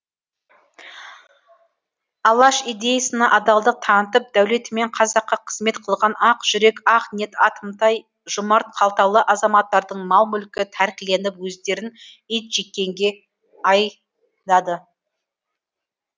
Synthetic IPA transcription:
ɑlˠɑʃijd̪e̞jɑsənɑʔɑd̪ɑlˠd̪ət̪ʰɑnət̪əp̚d̪æwle̞t̪ɪme̞ɴqʰɑzɑqːɑqʰə̥zme̞t̪qʰəlˠʁɑnɑqʒ̥ʏɾe̞kɑqne̞t̪ɑt̪əmt̪ɑj | ʒʊmɑɾt̪̚qʰɑlˠt̪ɑlˠəʔɑzɑmɑt̪ːɑɾd̪əɴmɑlˠmʏlkʲɪt̪ʰæɾkʲɪle̞nɪpwɵzd̪e̞ɾɪn | ijt̪ʒe̞kʲːe̞ŋɡʲe̞ | ɑj | d̪ɑd̪ə

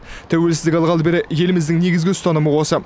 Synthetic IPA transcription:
t̪ʰæwe̞lsɪzd̪ɪkʲɑlˠʁɑlˠbeɾeje̞lɪmɪzd̪ɪŋne̞ɡʲɪzɡʲɪʊst̪ɑnəməwo̞sə

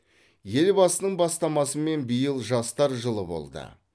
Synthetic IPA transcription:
je̞lbɑsənəɴbɑst̪ɑmɑsəme̞nbəjəlˠʒɑst̪ɑɾʒəlˠəbo̞̰lˠd̪ə̰

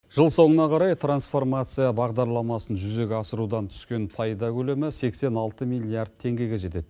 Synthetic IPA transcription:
ʒ̥əlˠso̞ɴənɑqʰɑɾɑjt̪ʰransfo̞rmat̪sɨjɑbɑʁd̪ɑɾlˠɑmɑsənʒʏze̞ɡʲeɑsəɾud̪ɑnt̪ʰʏ̥skʲe̞npʰɑjd̪ɑkʲɵlemɪse̞kse̞nɑlˠt̪əmijlʲiard̪̚t̪ʰe̞ŋɡʲe̞ɡʲe̞ʒe̞t̪e̞d̪

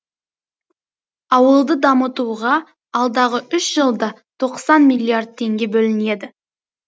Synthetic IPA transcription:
ɑwəlˠd̪əd̪ɑmət̪uʁɑ | ɑlˠd̪ɑʁəʔʏʃʒ̥əlˠd̪ɑ | t̪ʰo̞qsɑnmilʲiard̪̚t̪ʰe̞ŋɡʲe̞bɵlɪne̞d̪ɪ

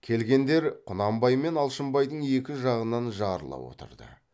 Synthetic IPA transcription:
kʲʰe̞lɡʲe̞nd̪e̞ɾqʰʊnɑmbɑjme̞nɑlˠʃəmbɑjd̪əɴe̞kʲɪʒɑʁənɑnʒɑɾlˠɑ̰pwo̞̰t̪ə̰ɾd̪ə̰

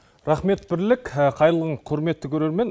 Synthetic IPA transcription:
ɾɑχme̞t̪bɪɾlɪkʲəqʰɑjɾəlˠʁəɴqʰʊɾme̞t̪ːɪkʲʰɵɾe̞ɾme̞n

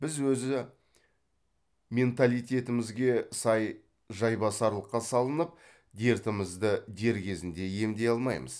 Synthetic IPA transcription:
b̥ɪzwɵzɪ | mʲe̞nt̪alijt̪ʲe̞t̪ɪmɪzɡʲe̞sɑj | ʒɑjbɑsɑɾlˠəqːɑsɑlˠənəp̚ | d̪e̞ɾt̪ɪməzd̪əd̪e̞ɾkʲʰe̞zɪnd̪e̞je̞md̪e̞jɑlˠmɑ̰jmə̰z̥

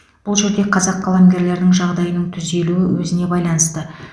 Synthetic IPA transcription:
b̥ʊlˠʒe̞ɾd̪e̞qʰɑzɑqʰːɑlˠɑmɡʲe̞ɾle̞ɾɪnɪŋʒɑʁd̪ɑjənəɴt̪ʰʏzd̪e̞luɪwɵzɪne̞bɑjlˠɑnəst̪ə

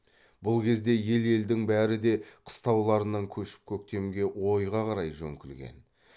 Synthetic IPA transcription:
bʊlˠkʲʰe̞zd̪e̞je̞le̞ld̪ɪŋbæɾɪd̪e̞qʰə̥st̪ɑwlˠɑɾənɑŋkʲʰɵʃɪ̥p̚kʲʰɵk̚t̪e̞mɡʲe̞wo̞jʁɑqʰɑɾɑjʒɵ̰ŋkʲɪlɡʲe̞̰n

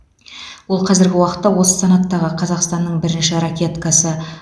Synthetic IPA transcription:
wo̞lˠqʰɑzɪɾɡʲɪwɑqə̥t̪ːɑwo̞sə̥sɑnɑt̪ːɑʁəqʰɑzɑqst̪ɑnːəɴbɪɾɪnʃɪɾakʲe̞t̪kɑsə

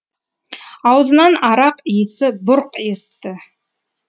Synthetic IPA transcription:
ɑwzənɑnɑɾɑqijsɪbʊɾqe̞t̪ːɪ

